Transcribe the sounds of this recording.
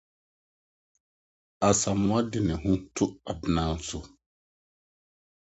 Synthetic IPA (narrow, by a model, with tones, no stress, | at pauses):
a˨sa˨mʊ̃˦a˦dɪ˨nɪ̃˨ɦʊ̃˦tʰʊ˦a˨bɪ˨˦nãː˦n˦sʊ˦